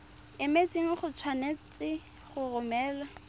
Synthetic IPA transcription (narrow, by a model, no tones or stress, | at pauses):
ɪmet͡sʼiŋ̩χʊt͡sʰwanet͡sɪ | χʊrʊmɛːla